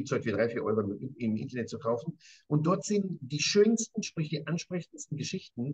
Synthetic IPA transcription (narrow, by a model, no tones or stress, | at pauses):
iːp̚tshɔltviːdʁaɪfiːɐʔɔ̰ʏʁomɪmʔɪ̰ntɐnɛt̚t͡sukʰaʊfn̩ʔʊnt̚d̥ɔɐtz̥ɪntd̥iːʃøːnstn̩ʃpʁ̥ɪçd̥iːʔanʃpʁ̥ɛçn̩dstn̩ɡəʃɪçtn̩